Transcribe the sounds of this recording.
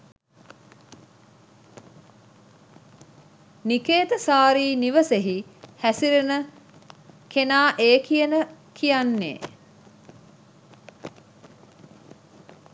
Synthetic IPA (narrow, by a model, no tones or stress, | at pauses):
nikeːt̪əsaːɾiːniʋəseɦihæsiɾenə | kenaːʔeːkijənəkʰijanːḛː